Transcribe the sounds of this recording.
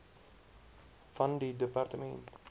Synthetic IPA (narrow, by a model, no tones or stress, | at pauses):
fɐndidəpartəmɛ̰nt